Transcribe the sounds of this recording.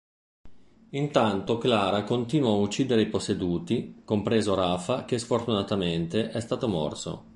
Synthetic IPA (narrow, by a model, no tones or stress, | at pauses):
int̪ant̪oklaːɾakont̪iːnwaːut͡ʃːiːd̪eɾeiposːed̪uːt̪ikompɾeːzoɾafak̟esfort̪unat̪ament̪eʔɛst̪aːt̪omɔ̰rso̰